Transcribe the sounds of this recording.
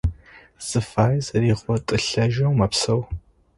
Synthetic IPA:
z̥ɨfaːjzɐriːʁʷɔtʼɨɬɐʒɐwmɐpsɐw

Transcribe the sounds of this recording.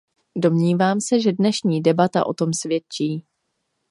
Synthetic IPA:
do̞mɲiːvaːmsɛʒɛdnɛʃɲiːdɛbat̪a̰ʔo̞̰t̪o̞msvjɛt͡ʃiː

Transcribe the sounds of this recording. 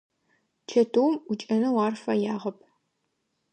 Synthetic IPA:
t͡ʃʰɐtʰowmʊt͡ʃʼɐnɐwaɑːrfɐjaːʁɐpʰ

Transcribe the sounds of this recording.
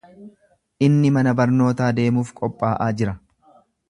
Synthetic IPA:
ʔɪnːɪmɐnɐbɐɾno̞ːt̪aːd̪e̞ːmuːfkʼɔpʼːaːʔaːd͡ʒɪɾɐ

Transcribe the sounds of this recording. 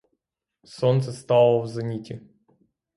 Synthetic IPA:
sont̪səst̪ɑlˠəvzɐnʲitʲɪ

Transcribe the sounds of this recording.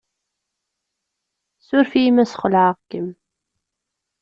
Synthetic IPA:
sʊɾfimæsχlaʕʁkːəm

